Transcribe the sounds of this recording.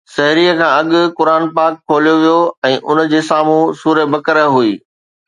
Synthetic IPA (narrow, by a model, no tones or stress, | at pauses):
sɐɦɾiːəkʰãːɐɠʊ̆kʊɾaːnpaːkʰːoːlijoʋijoɛ̃ːʔʊnd͡ʑeːsaːmũsuːɾəbɐkəɾɦuiː